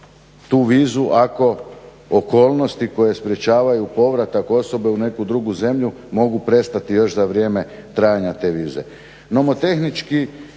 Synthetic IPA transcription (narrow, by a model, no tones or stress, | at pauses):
t̪uːʋiːzuʔako̞ | oko̞ːlˠno̞st̪iko̞je̞spɾje̞t͡ɕaːʋajupo̞ʋɾat̪ako̞so̞be̞une̞kud̪ɾuɡuze̞mʎu | mo̞ɡupɾe̞st̪at̪ijo̞ʃzaʋɾje̞me̞ | t̪ɾaːjaɲat̪e̞ːʋiːze̞̰ | nomot̪e̞xnit͡ʃki